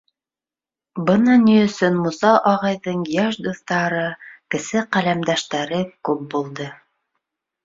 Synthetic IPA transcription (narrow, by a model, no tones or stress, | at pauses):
bɤnɑnijɵ̆sɵnmusɑʔɑʁɑjðɤɴjæʃd̪uθt̪ɑɾɤkɘ̆sɘqælæmd̪æʃt̪æɾɘkʉp̚bulˠd̪ɤ